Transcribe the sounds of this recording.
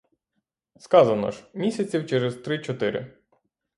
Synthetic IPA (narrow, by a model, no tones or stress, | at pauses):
skɑzɐnɔ̰ʒmʲisʲɐt͡sʲiwt͡ʃɛɾɛzt̪ɾɪt͡ʃɔt̪ɪɾɪ̰